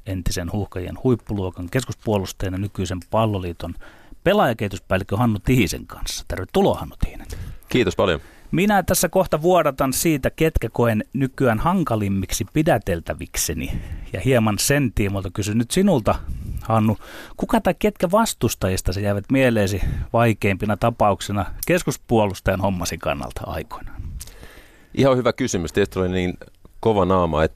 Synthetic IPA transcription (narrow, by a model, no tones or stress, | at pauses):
ent̪isenhuhkɑjḛnhuipːuluokɑŋkeskuspuolust̪ejɑnjɑnykyisempɑlːoliːt̪onpelɑjɑkeit̪uspæːˑlikːøhɑnːut̪ihisḛŋkɑ̰nsːɑ̥t̪erʋet̪t̪ulohɑnːut̪i̥hine̥nkiːt̪ospɑljo̰minæt̪æsːækoht̪ɑʋuoɾɑt̪ɑnsiːt̪æket̪kækoennykyænhɑŋkɑlimːiksipidæt̪elt̪æʋḭksenḭjɑ̰hiemɑnsent̪iːmult̪ɑkysynnyt̪sinult̪ɑhɑːnːukukɑt̪ɑiket̪kæʋɑst̪ust̪ɑjist̪ɑsejæiʋæt̪mieleːsiʋɑikeimpinɑt̪ɑpɑuksinɑkeskuspuolust̪ɑjɑnhomːɑsikɑ̰nːɑ̰lt̪ɑɑ̰iko̥in̥ɑ̥n | ʔihɑhyʋækysymyst̪iest̪olinniːnkoʋɑnɑːmɑ̰ːet̪ː